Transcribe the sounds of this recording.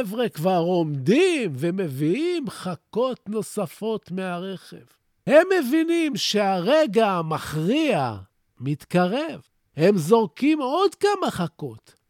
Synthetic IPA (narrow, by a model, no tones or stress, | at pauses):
vʁekvaʁo̞md̪imveme̞viimχako̞t̪no̞safo̞tmeaʁeχe̞̰v | he̞mːe̞vinimʃeaʁeɡamaχʁia | mit̪kaʁev | he̞mzo̞ʁkimo̞d̪kamaχako̞t̪